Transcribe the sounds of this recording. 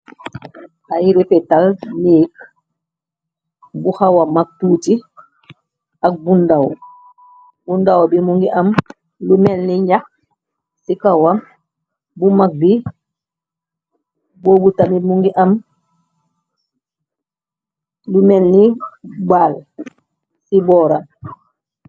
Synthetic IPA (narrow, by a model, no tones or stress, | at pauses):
ʔajiɾipɛtalniːk | buhawamak̚tuːti | ak̚bundawɔ | bundawɔbimuŋɡiʔam | lumɛlniɲak | sikawam | bumak̚bi | bɔːbutamimuŋɡiʔam | lumɛlnibal | sibɔːɾam